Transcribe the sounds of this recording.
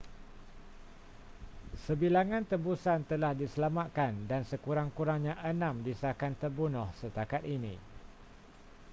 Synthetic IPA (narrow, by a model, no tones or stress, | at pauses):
səbilaŋãnt̪əbusant̪əlahdisəlamaʔ̪̚kandansəkuɾaŋkuɾaŋɲãʔənãmdisakant̪ərbunʊhsət̪akat̪inḭ̃